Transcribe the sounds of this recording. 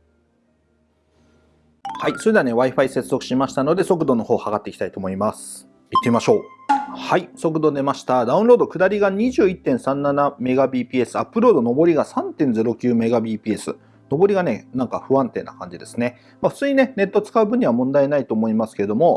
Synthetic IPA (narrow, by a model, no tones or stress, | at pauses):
haiso̞ɾʲee̞ane̞βaiɸaise̞t͡sɨzokɯ̟ɕimaɕi̥t̪ano̞d̪e̞so̞kɯ̟d̪o̞no̞ho̞ːhaɡat̪ːe̞kʲi̥t̪ait̪o̞ːmo̞imasɨ̥ | it̪ːe̞imaɕo̞ːhaiso̞k̬ɯ̟d̪o̞d̪e̞maɕi̥t̪ad̪aɯ̟̃ɾo̞ːd̪o̞kɯ̟d̪aɾʲiɡaɲ̟iʑɨːit̪ːẽɰ̃sãnːaname̞ɡabʲiːpʲiːe̞sɨapːɯ̟ɾo̞ːd̪o̞no̞bo̞ɾʲiɡasãnt̪ẽ̞ñd͡ze̞ɾo̞kʲɨːme̞ɡabʲiːpʲiːe̞sɨ̰ | no̞bo̞ɾʲiɡane̞nãŋkaɸɯ̟βãnt̪e̞̰ːnːa̰kã̰ɲ̟d͡ʑid̪e̞sɨne̞ | maɸɯ̟t͡sɨːɲ̟ine̞ne̞t̪ːo̞t͡sɨ̥kaɯ̟bɯ̟̃ɲ̟iβamõ̞nd̪aenait̪oːmo̞imasɨ̥ked̪o̞mo̞